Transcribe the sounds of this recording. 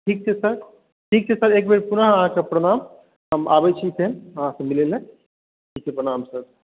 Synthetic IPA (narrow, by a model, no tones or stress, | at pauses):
ʈʰiːk̚t͡ʃʰɛsəɾ | ʈʰiːk̚t͡ʃʰɛsəɾeːk̚beɾpunəɦəɦãkapɾəɽ̃aːm | ɦəma̰ːbɛt͡ʃʰisʰenəɦãsemilelẽ | ʈʰiːk̚t͡ʃʰepɾənaːmsəɾ